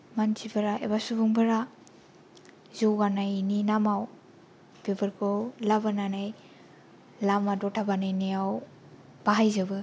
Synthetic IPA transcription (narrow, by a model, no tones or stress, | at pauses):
mansʰibaɾaʔebasubuŋbaɾa | zowɡanajninamaw | b̥ebɯɾkʰɔwlabananaj | lamadɔtʰabanajnijaw | b̥aɦajzabɯ